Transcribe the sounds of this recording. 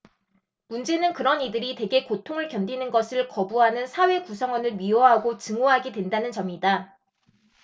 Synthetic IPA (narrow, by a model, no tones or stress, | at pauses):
mund͡ʑe̞nɯnkɯɾʌnidɯɾite̞ɡe̞kotʰoŋɯɭkjʌndinɯnɡʌsʰɯɭkʌbuɦanɯnsʰawe̞kusʰʌŋwʌnɯɭɥiʌɦaɡot͡ɕɯŋoɦaɡidwe̞ndanɯnt͡ɕʌmida